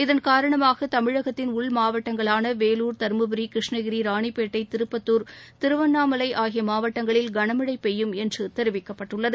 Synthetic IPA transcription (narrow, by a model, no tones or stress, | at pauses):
ɪðɐnkaːɾɐɳɐmaːɣɐt̪ɐmɪɻɐɣɐt̪ːɪnʊɭmaːʋɐʈːɐŋɡɐɭaːnɐʋeːluːɾt̪ɐɾmɯbɯɾikɾɪʂɳɐɣɪɾiɾaːɳipːeːʈːɐɪt̪ɪɾɯpːɐt̪ːuːɾt̪ɪɾɯʋɐnːaːmɐlɐɪʔaːɣɪjɐmaːʋɐʈːɐŋɡɐɭɪlɡɐɳɐmɯɽɐɪpɛjːɯmɛndrɯt̪ɛɾɪʋɪkːɐpːɐʈːɯɭːɐðɯ